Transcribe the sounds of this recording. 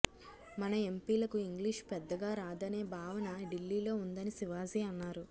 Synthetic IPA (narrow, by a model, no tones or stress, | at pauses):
mɐnɐe̞mpiːlɐkuiŋɡliʂpɛd̪ːɐɡaːɾaːd̪ɐne̞ːbʱaːʋɐnɐɖilːiːlo̞ːund̪ɐnisiʋaːziːɐnːaːɾu